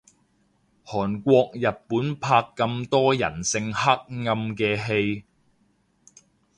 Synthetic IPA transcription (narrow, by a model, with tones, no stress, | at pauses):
hɔː˨˩nkʷɔː˧k̚jɐ˨t̚pːuː˨˥npʰaː˧kːɐ˧mt̪ɔː˥jɐ̰˨˩nsɪ˧ŋhɐ˥k̚ŋɐ˧mkɛː˧ɦe˧j